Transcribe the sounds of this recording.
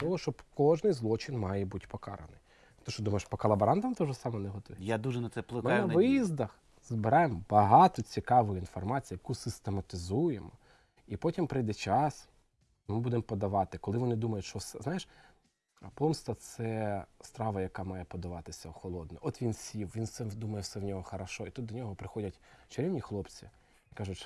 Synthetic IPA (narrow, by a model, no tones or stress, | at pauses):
t̪ɔɦɔʃt͡ʃɔkɔʒnɪjzlˠɔt͡ʃɪnmɑjɛbutʲpɔkɑ̰ɾɐ̰nɪj | t̪ɔʃt͡ʃɔd̪umɐjeʃpɔkɐlˠɐbɐɾɑnd̪ɐmt̪ɔʒɛsɑmɔneɦɔt̪ɔʋʲjad̪uʒɛnɐt̪sɛplˠɪkmɪnɐʋɪjizd̪ɐx | zbɪɾajembɐɦɑt̪ɔt͡sʲikɑʋɔjinfɔrmɑt͡sʲijɐkusɪst̪emɐt̪ɪzujemɔ | ipɔtʲimpɾɪjd̪ɛt͡ʃɑs | mɪbud̪empɔd̪ɐʋɑt̪ɪkɔlˠɪʋɔnɪd̪umɐjʊtʲʃɔwsɛznɑjeʃ | pɔmst̪ɐt̪sɛst̪ɾɑʋɐjɐkɑmɑjɛpɔd̪ɐʋɑt̪ɪsʲɐxɔlˠɔd̪̚nɛʔɔt̪ʋʲinsʲiwʋʲinsɛd̪umɐjɛwsɛwnʲɔɦɔxɐɾɐʃɔit̪ut̪ːɔnʲɔɦɔpɾɪxɔdʲɐtʲt͡ʃɐɾʲɛwnʲixlˠɔpt͡sʲi | kɑʒʊtʲ